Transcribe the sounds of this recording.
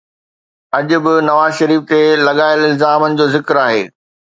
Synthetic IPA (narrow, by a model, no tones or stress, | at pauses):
ɐʄʊ̆bɪnɐʋaːzʃɐɾiːft̪elɐɠaːɪlɪlzaːmənɪ̆d͡ʑoːzɪkɾaːɦeː